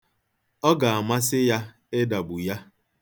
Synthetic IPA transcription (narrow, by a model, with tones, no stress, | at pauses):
ɔ˦ɡa˨a˨ma˦sɪ˦ja˦ | ɪ˦da˨bʊ˨ja˦